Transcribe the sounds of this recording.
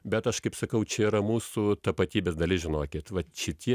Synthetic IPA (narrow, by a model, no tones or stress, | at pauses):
bʲɛt̪ɐʃkɐɪpsɐkɐʊt͡ʃʲɛiːɾɐmuːsut̪ɐpɐt̪ʲiːbʲeːsd̪ɐlʲɪsʒʲɪnoːkʲɪt̪ʋɐʃʲɪt̪ʲʰiɛ